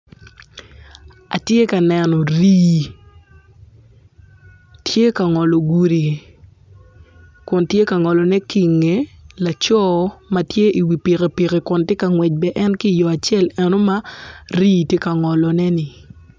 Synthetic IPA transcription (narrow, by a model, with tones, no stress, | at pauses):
a̰˨tje˦ka˨nɛ˨nɔ˨ɾiː˦˨ | tʰje˦ka˨ŋɔ˨lɔ˨ɡu˨ɾi˨ | kʊ˨ntje˦ka˨ŋɔ˨lɔ˨nɛ˦ki˨ŋe˨la˨t͡ʃɔː˦ma˨tje˦ʔi˨wi˨pi˨ke˨pi˨ke˨kʊ˨ntje˦ka˨ŋwɛ˨t͡ʃ̚bɛ˦ʔɛ˦nki˦˨jɔ˨a˨t͡ʃjɛ˦˨lɛ˨no˦ma˦ɾiː˦tje˦ka˨ŋɔ˨lɔ˨nɛ˦nɪ˨